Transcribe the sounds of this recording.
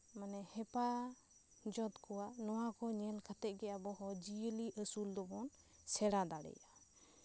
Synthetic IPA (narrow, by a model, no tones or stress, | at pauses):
manɛhɛpa | d͡ʒɔt̪kɔwanɔwakɔɲɛlkʰat̪ɛʔ̚ˀɡɛabɔɦɔd͡ʒiəliʔəsuld̪ɔbɔn | sɛɽad̪aɽɛ̰ja